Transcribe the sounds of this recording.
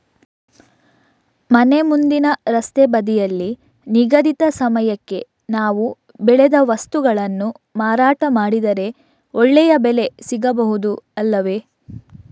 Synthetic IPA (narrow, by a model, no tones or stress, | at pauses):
mɐne̞mund̪inɐɾɐst̪ebɐd̪ijɐlːi | niɡɐd̪it̪ɐsɐmɐjɐkːe̞ | naːʋu | bɛɭed̪ɐʋɐst̪uɡɐɭɐnːu | maːɾaːʈɐmaːɽid̪ɐɾe̞ | ɔɭːɛjɐbɛle̞siɡɐbɐɦud̪uɐlːɐʋe̞